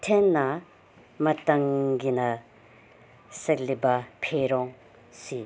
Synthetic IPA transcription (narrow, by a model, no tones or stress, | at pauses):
t̪ʰenːa | mət̪aŋɡina | sək̚lepḁpʰeɾoŋ | si